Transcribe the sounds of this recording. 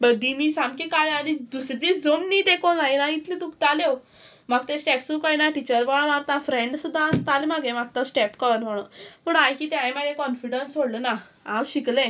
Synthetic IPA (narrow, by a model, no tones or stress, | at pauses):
bəd̪ʱːimiːsamkikaɭanid̪usɾd̪id͡zomniːt̪ekʰonaɦinait̪ʰlĩd̪ukt̪alew | maɡt̪esʈɛpsukajnaʈit͡ɕəɾbəɭ̃ãʋaɾt̪afɾeɳɖsud̪ʱːaast̪alemaɡẽmaɡ̚t̪asʈɛpkəʋənʋəɽ̃om̤uɳajkiːt̪jajmaɡẽkɔnfiɽənsoɽləna | awɕiklẽ